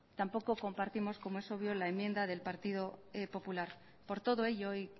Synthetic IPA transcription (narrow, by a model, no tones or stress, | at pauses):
t̪ampo̞ko̞ko̞mpaɾt̪imo̞sko̞moe̞so̞β̞jo̞laemje̞nd̪aðe̞lpaɾt̪ið̞o̞epo̞pulaɾ | po̞ɾt̪o̞ð̞o̞e̞ʎooj